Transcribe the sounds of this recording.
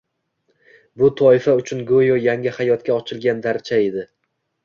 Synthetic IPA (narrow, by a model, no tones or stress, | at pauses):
bʊt̪ʰɒɪfaʊt͡ʃʰʊnɡojɒjaŋʲɪhajɒt̪̚kʲaɒt͡ʃʰɪlˠɡʲand̪aɾt͡ʃʰae̞d̪ɪ